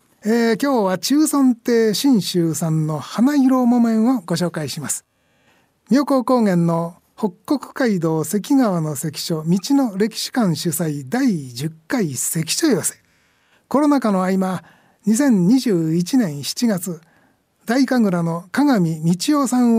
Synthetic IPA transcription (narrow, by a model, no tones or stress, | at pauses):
eːkʲo̞ːβat͡ɕɨːsõnt̪e̞ːɕĩɰ̃ɕɨːsãnːo̞hanaiɾo̞mo̞mẽ̞ɰ̃oɡo̞ɕ̬o̞ːkaiɕimasɨ̥ | mʲo̞ːko̞ːko̞ːŋẽ̞nːo̞ | ho̞kːo̞kɯ̟̥kaid̪o̞ːse̞k̬ʲiɡaβano̞se̞kʲi̥ɕo̞mʲit͡ɕino̞ɾe̞kʲi̥ɕi̥kãɰ̃ɕɨsaid̪aid͡ʑɨkːaise̞kʲi̥ɕo̞jose̥ | ko̞ɾo̞nakano̞aima | ɲisẽ̞ɲ̟ɲiʑɨːit͡ɕinẽ̞ɰ̃ɕi̥t͡ɕiɡat͡sɨ | d̪aikaɡɯ̟ɾano̞kaɡamʲimʲit͡ɕijo̞ːsãɰ̃